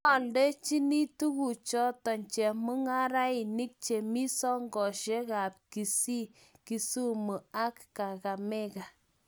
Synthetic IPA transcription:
a˨lde˦t͡ʃi˦ni˦tu˦ku˨t͡ʃɔ˦tɔ˨ɲt͡ʃɛ˨mu˦ŋa˦ɾa˦i˨ni˦k̚t͡ʃe˨mi˦sɔ˦ŋɡɔ˨ʃe˦ka˨p̚ki˨si˦ | ki˨su˦mu˨a˦kːa˨ka˨me˦ka˨

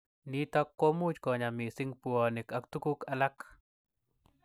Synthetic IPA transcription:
ni˦t̪ɔ˦kːo˦mu˦d͡ʒkɔ˨ɲa˨mi˨sɪ˦ŋpuɔ˨ne˨ka˨kt̪u˦ku˦ka˨la˦k

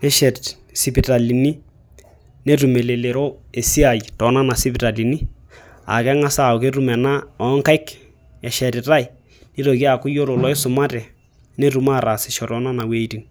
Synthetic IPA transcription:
nɛ˦ʃɛ˨t | si˨pi˨ta˨li˨ni˦ | ne˦tu˨me˨le˨le˨ɾo˦e˨si˦a˨jtɔ˨˦na˦na˨si˦pɪ˨ta˨li˨ni˦ | a̰˨kɛ˦ŋa˦sa˦˨ʊ˨ke˦tu˦mɛ˨na˦ɔ˨˦ŋka˦k | ɛ˨ʃɛ˨tɪ˨ta˦j | ni˦ɾo˨ki˦a˨kʊ˦jo˦ɾo˨lɔ˦ɪ˦sʊ˨ma˦tɛ˨ | ne˦tu˨ma˦˨ɾa˨sɪ˨ʃɔ˨tɔ˦na˦na˨we˨˦ti˨n

